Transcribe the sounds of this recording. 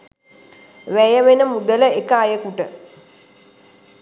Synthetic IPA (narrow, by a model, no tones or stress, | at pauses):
ʋæjəʋenəmud̪ələekəajəkuʈə